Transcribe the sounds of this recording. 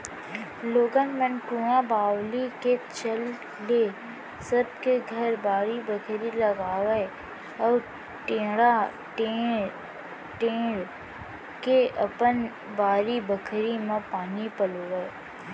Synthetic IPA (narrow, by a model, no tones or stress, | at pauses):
loːɡənmə̃nkũːjãbaːwliket͡ʃəl | e | səb̚keɡʱɐɾbaːɾibəkʰɾilɐɡaːʋe | ɔːɾ | ʈẽːɽa | ʈe | ʈẽːɽ | keʔɐpən | baːɾibəkʰɾimãpaːnipəlʋə